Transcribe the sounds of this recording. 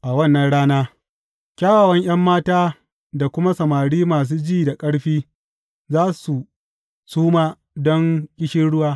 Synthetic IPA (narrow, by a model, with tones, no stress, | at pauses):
ʔa˨wɐ˦˨nːɐ˦nɽaː˦naː˦ | kʲaː˦waː˨wɐ˦ɲj̰ɐ˦mːaː˦taː˦ | da˨kʷʊ˦ma˦sɐ˨maː˨ɽiː˦maː˨s̬uː˦d͡ʒiː˦˨da˨kʼɐ˦ɽɸiː˦ | zaː˦su˨ | suː˦maː˦ | dɔ˦ŋkʲʼɪ˦ʃɪ˦nɽʊ˦waː˦